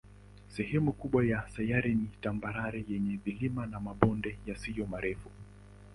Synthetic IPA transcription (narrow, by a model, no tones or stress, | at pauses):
sɛhɛmukuɓwajasajaɾinitambaɾaɾɛjɛɲɛðilimanamaɓɔndɛjasijɔmaɾɛfu